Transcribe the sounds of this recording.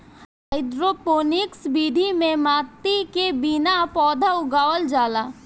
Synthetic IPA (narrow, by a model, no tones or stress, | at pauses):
ɦaɪd̪ɾoːpoːnɪksbiːd̪ʱimẽmaːt̪ikebinapɔːd̪ʱəʊɡaːʋəld͡ʒaːlaː